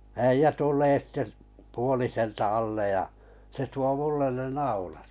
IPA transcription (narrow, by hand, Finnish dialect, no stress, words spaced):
æijæ tulˑeː sitːe p puoliseltɑ ɑlːej jɑ se tuo mulːen ne nɑulɑt